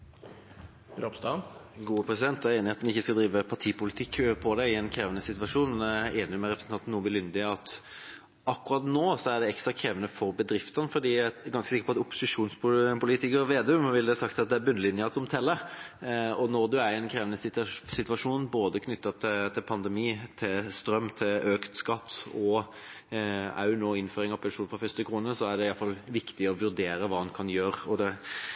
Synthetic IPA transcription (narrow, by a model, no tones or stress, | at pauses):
ɾɑpst̪ɑɡuːəpʰɾɛsɪd̪ɛnt̪æɾeːnɪɑt̪nɪçːəskɑld̪ɾiːʋəpʰɑʈ̪ʰiːpʊlɪt̪ʰɪkːpʰɔd̪ɛɪɛnkʰɾeːʋənəsɪt̪ʋɑʂuːnmeːnɪmɛɾɛpɾəsn̩ɑnt̪nːuːʋɪlʏnd̪ɪɑt̪ | ɑkːʊɾɑt̪noːsɔæɖɛɛkst̪ɾɑkʰɾeːʋənəfɔɾbəd̪ɾɪft̪ənəfɔd̪iːɡɑnskəsɪkəpɔɑt̪ʊpːʊ̥sɪʂuːnsppʊliːt̪ɪkəɾʋeːd̪ɛʉmʋɪld̪ɛsɑkt̪ɑt̪̚d̪ɛæɾbʉnːəlɪnjəɑt̪ɔmt̪ʰɛlːə | ɔnɔɾd̪ʉæɛnkʰɾeːʋənəssɪt̪ʋɑʂuːnboːd̪əkʰnʏt̪ːɑt̪ʰɪt̪ʰɪlpʰɑnd̪ɛmiːt̪ʰɪlst̪ɾœmːt̪ʰɪløːkt̪skɑt̪ːɔ | ɑ̰ʉnoːɪnføːɾɪŋɑʋpʰɛnʂuːnfʁɑfʏst̪əkʰɾuːnəsɔæɖɛɪɑlfɑlʋɪkt̪ɪɔʋʉɾd̪eːɾəʋɑːɑnkʰɑnjøːɾɔd̪ɛ